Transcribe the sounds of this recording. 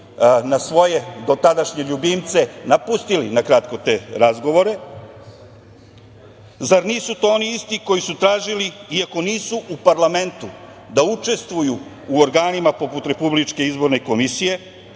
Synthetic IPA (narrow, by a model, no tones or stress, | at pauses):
nasʋo̞je̞d̪o̞t̪ad̪aʃɲe̞ʎubimt̪se̞napust̪ilinakɾat̪ko̞t̪e̞ɾazɡo̞ʋo̞ɾe̞ | zaɾniːsut̪ooniist̪iko̞jisut̪ɾaːʒiliiako̞niːsuʔupaɾlame̞nt̪u | d̪aut͡ʃe̞st̪ʋujuː | oɾɡaːnimapo̞put̪ɾe̞publit͡ʃke̞izbo̞ɾne̞ko̞misije̞